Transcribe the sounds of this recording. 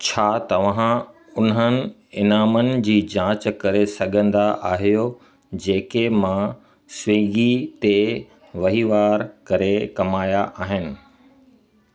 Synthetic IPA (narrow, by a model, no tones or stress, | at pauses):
t͡ɕʰaːt̪ɐʋã | ʊnɦənɪ̆ | ɪnaːmənɪ̆d͡ʑiːd͡ʑãːt͡ɕkɐɾesɐɡʱə̃nd̪aʔaːɦijo | d͡ʑeːkemã | sʋiːɡit̪e | ʋɐɦiʋaːɾkɐɾekɐmaːjaʔaːɦɪnɪ̆